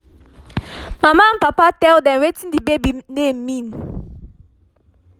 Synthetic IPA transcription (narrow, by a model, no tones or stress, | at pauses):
mamaãnpapatɛldɛ̃mwetĩndibebinemmĩn